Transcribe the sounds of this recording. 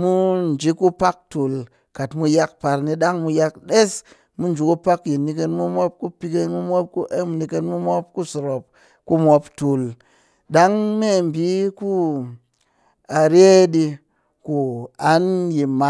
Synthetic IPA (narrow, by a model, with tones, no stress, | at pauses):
mu˦n̩˨d͡ʒi˨˦ku˦pa˦k̚tu˨l | ka˨tmu˧ja˧k̚pa˨ɾni˧ɗa˦ŋmu˧ja˧k̚ɗe˦s | mu˦n̩˨d͡ʒu˨ku˦pa˦kji˨nːi˧ke˧nmu˦mʷo˦p̚ku˦pi˧ke˧nmu˦mʷ˦o˦p̚ku˦ʔe˦mu˨ni˧ke˧nmu˦mʷo˦p̚ku˦so˨ɾo˨p̚ | ku˦mʷo˧ptu˨l | ɗa˦ŋme˦˨m̩˨bi˨˦ku˦ | a˨ɾe˦ɗi˧ | ku˨a˨˦nji˨ma˨